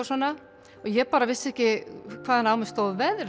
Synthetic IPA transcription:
asɔnːa | ɔɣjɛɣpaːɾavɪsːɛhcɪkʰvaːanawmɪst̪owðvɛðɾ

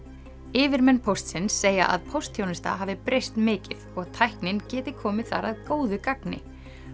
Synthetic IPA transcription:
ɪːvɪɾmɛnpʰowst̪sɪnsːeːja̰ʔa̰ðpʰowst̪hjownɪst̪a̰ɦaːvðɪpɾejst̪mɪːcɪðɔɣt̪ʰajhknɪncɛːt̪ɪkʰɔːmɪðθa̰ɾaðkoːwðʏkaknɪ̰

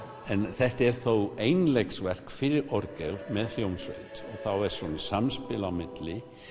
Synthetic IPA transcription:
ɛnθɛht̪ɛɾ̥θowejnleksvɛr̥kfɪɾɪɾɔɾkɛlmɛðl̥jowmsvœ̰ɥt̪ɔɣθawɛɾ̥svɔnḁsamspɪlamɪt̪lɪ

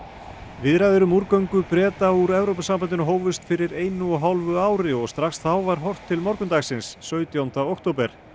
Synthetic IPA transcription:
vɪðɾajðʏɾʏmuɾkœɥŋkʏpɾɛːt̪auɾɛvɾowpasampant̪ɪnɦoːwvɪst̪fɪɾɪɾeːjnʏɔɦawlvʏaːwɾɪɔɣst̪ɾaxsθawvaɾ̥ɦɔr̥t̪ʰːɪlmɔɾkʏnt̪axsɪnsːœːɥt̪jawnt̪aowkt̪ʰowpɛɾ̥

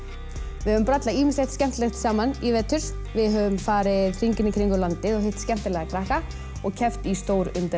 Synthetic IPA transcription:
vɪhœvʏmpɾat̪laiːmiɪnslɛht̪scɛm̥t̪lɛxt̪saːmanivɛt̪ʰʏɾ̥ | vɪðɦœvʏmfaːɾɪðr̥iɲcɪnɪkʰɾiŋkʏlant̪ɪðɔɣɦejht̪scɛm̥t̪ɪlɛɣakʰɾahka | ɔɣcʰɛft̪ist̪oːwɾʏnt̪ɪ

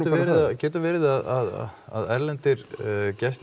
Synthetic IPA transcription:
avɛːɾɪðacɛːt̪avɛːɾɪðaðaða̰ðɛɾlɛnt̪ɪɾcɛst̪

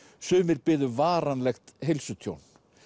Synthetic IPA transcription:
sʏːmɪɾpɪːðʏvaːɾanlɛxt̪ɦejlsʏt̪ʰjo̰wn

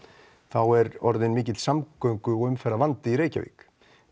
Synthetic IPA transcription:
θawɛɾɔɾðɪnmɪːcɪt̪l̥samkœɥŋkʏɔɣʏmfɛɾavant̪ɪiɾeːjca̰vḭːk

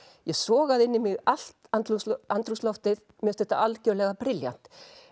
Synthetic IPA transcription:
jɛɣsɔːɣaðɪnːɪmɪɣal̥t̪ant̪lusant̪ɾuslɔwht̪ɪð | mjɛst̪ɛht̪a̰ʔalcœlɛɣapɾɪlja̰n̥t̪

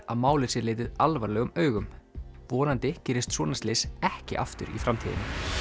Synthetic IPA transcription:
aðmaːwlɪsɪlɪːt̪ɪðalvaɾlɛːɣʏmœːɥɣʏmvɔːnant̪ɪcɛːɾɪst̪sɔːnast̪lɪːsɛhcɪ̰ʔaft̪ʏ̰ɾḭfɾamt̪ʰiːðɪ̰nːɪ

